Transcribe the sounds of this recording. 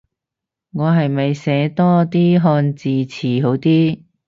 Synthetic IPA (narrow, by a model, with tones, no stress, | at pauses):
ŋɔː˨˧ɦɐ˨jmɐ˨jsɛː˨˥t̪ɔː˥t̪iː˥ɦɔː˧nt͡siː˨˩t͡sʰiː˨˩ɦo˨˥wt̪iː˥